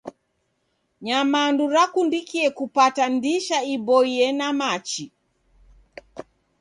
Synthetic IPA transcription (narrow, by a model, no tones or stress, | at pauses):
ɲamanduɾakundikiɛkupatandiʃaibɔiɛnamat͡ʃi